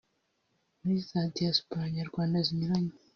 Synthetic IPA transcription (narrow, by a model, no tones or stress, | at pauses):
muɾisaːtijasu̥paaɲaɾɡwaːndaziɲuɾaɲo